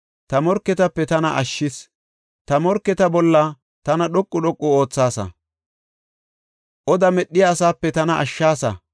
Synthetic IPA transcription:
t̪ɐmɔɾkːɛt̪ɐpːɛt̪ɐnɐʔɐʃːɪs | t̪ɐmɔɾkːɛt̪ɐbɔlːɐ | t̪ɐnɐɗɔkʼːʊɗɔkʼːʊo̞ːt͡sːaːsɐ̰ | ʔɔd̪ɐmɛɗːɪjɐːsaːpːɛt̪ɐnɐʔɐʃːaːsɐ̰

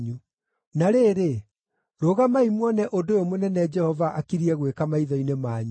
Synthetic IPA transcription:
ɲu | naɾeːɾe | ɾoːɣamaimwɔnɛʔodojomonɛnɛd͡ʒɛhɔvaʔakiɾiɛɣwekamaiðɔinemaːɲu

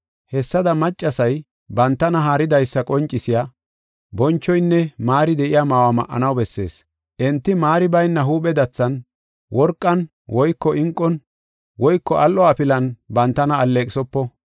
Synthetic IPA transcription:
hɛsːɐd̪ɐmɐt͡ʃʼːɐsɐj | bɐnt̪ːɐnɐɦaːɾɪd̪ɐjsːɐkʼɔnt͡ʃʼːɪsɪjaː | bɔnt͡ʃːɔjnːɛmaːɾɪd̪ɛʔɪjaːmaːwamɐ̰ʔːɐ̰nɐwbɛsːe̞̰ːs | ʔɛnt̪ːɪmaːɾɪbɐjnːɐɦuːɓɛd̪ɐt͡sːɐn | wɔɾkʼːɐn | wɔjkːɔʔɪŋkʼːɔn | wɔjkːɔʔɐlːɔɐpɪlɐnbɐnt̪ːɐnɐːlːeːkʼɪsɔpːɔ

